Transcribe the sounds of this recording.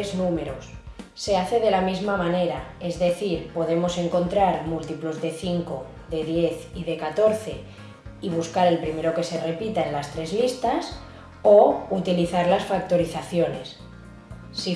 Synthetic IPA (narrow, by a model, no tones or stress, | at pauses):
eznũme̞ɾosːe̞aθe̞ðe̞lamizmamãne̞ɾae̞zðe̞θiɾpo̞ð̞e̞mo̞se̞ŋko̞nt̪ɾaɾmult̪ipluzðe̞θiŋko̞ | ðe̞ðje̞θiðe̞kat̪o̞ɾθe̞ | iβ̞uskaɾe̞lpɾime̞ɾo̞ke̞se̞re̞pit̪aenlast̪ɾe̞zlist̪as | out̪iliθaɾlasfak̚t̪o̞ɾiθaθjo̞ne̞̰s | si